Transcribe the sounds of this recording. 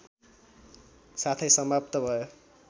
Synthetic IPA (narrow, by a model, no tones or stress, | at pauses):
sat̪ʰʌjsʌmbʱapt̪ʌbʱʌjo